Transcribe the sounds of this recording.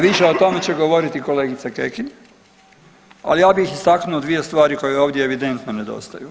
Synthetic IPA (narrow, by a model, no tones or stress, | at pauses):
ʋiʃeot̪o̞me̞t͡ɕe̞ɡo̞ʋo̞ɾit̪iko̞le̞ːɡit̪sakekiɲ | a̰lijaːbixist̪aknuod̪ʋije̞st̪ʋaːɾiko̞jeo̞ːʋd̪ʲjeːʋid̪e̞nt̪none̞d̪o̞̰st̪aju